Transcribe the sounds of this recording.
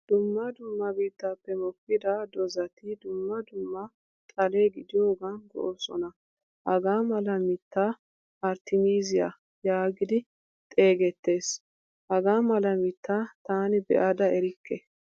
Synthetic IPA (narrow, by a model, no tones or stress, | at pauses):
d̪̥ʊmːɐd̪ʊmːɐbiːt̪ːaːpːɛmɔkːɪd̪ɐd̪ɔzɐt̪ɪd̪ʊmːɐd̪ʊmːɐ | t̪ʼɐle̞ːɡɪd̪ɪjo̞ːɡɐnɡɔ̰ʔosɔ̰nɐ | hɐɡaːmɐlɐmɪt̪ːaː | ɐɾt̪ɪmiːzɪja̰ | jaːɡɪd̪ɪ | t̪ʼe̞ːɡɛt̪ːe̞ːs | hɐɡaːmɐlɐmɪt̪ːaːt̪aːnɪbɛ̰ʔɐd̪ɐɛɾɪkːɛ